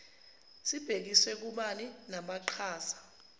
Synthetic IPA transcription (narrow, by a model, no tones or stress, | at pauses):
sib̥ʱek̬iswɛk̬uɓaninaɓaǃʰaːsḁ